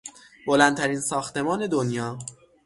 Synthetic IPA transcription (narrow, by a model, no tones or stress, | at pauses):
bolænt̪ʰæɾiːnsɒːxt̪e̞mɒːne̞d̪onjɒː